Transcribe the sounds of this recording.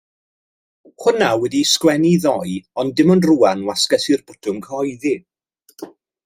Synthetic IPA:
hʊnawɛdiskwɛniðɔjɔndɪmɔndruanwaskɛsirbʊtʰʊmkʰɔjði

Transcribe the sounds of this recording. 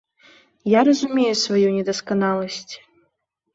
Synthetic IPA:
jaɾɐzumʲejusvajunʲɛd̪ɐskanalˠɐsʲt͡sʲ

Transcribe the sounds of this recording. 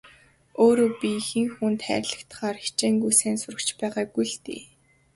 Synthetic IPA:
oːɾoːpʲixɘ̆ŋxuːnt̪χæ̰ːrʲɮə̆kt̪̆χaːrxi̥t͡ɕeːŋɡujsæːnsʊɾə̆kt͡ɕpæːʁaːɡujɮt̪ḭː

